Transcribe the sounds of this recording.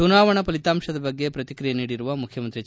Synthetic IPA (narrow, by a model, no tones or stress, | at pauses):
unaːʋɐɳɐpɐlit̪aːmʂɐd̪ɐbɐɡːe̞pɾɐt̪ikɾijeɐniːɽiɾuʋɐmukʰjɐmɐnt̪ɾi